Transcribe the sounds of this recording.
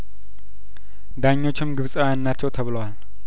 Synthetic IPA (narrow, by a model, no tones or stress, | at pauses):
d̪aɲːo̞t͡ʃːɪmɡɨβsʼəjannːat͡ʃːɛwt̪ʰəβɨləwal